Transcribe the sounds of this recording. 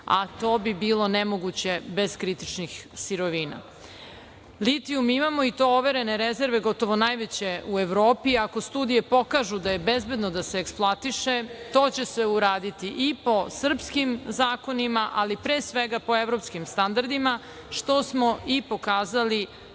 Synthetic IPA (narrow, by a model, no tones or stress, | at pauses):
a̰t̪o̞ːbibiːlˠo̞nemoɡut͡ɕe̞be̞zkɾit̪it͡ʃnixsiɾoʋiːna̰ | lit̪iumimamo̞it̪o̞oʋe̞ɾe̞neɾeze̞ɾʋe̞ɡo̞t̪o̞ʋo̞najʋet͡ɕe̞ue̞ʋɾo̞ːpiako̞st̪uːd̪ije̞po̞kaʒud̪aje̞bezbe̞d̪nod̪aseːksplˠat̪iʃet̪o̞ːt͡ɕe̞seuɾaːd̪it̪iʔipo̞sr̩pskimzaːko̞nimaʔalipɾeːsʋe̞ɡapo̞evɾo̞pskimst̪and̪aɾd̪ima | ʃt̪o̞smo̞ipo̞kaːzali